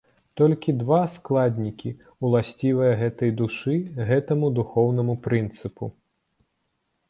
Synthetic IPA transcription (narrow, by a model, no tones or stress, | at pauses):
t̪ɔlʲkʲid̪vasklˠad̪ʲnʲikʲi | ulˠasʲt͡sʲivɨjɐɣɛt̪ɐjd̪uʂɨɣɛt̪ɐmud̪uxɔwnɐmupɾɨnt̪sɨpu